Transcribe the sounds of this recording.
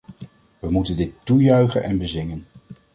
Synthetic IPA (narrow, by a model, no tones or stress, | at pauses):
ʋəmutəndɪtːujœɥχə̰nʔɛnbəzɪŋən